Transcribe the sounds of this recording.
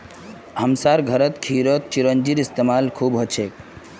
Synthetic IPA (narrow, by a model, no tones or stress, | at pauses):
ɦəmsaɾɡʱəɾət̪kʰiɾət̪̚t͡ʃiɾənd͡ʒiɾist̪emalkʰuːbɦɔt͡ʃʰek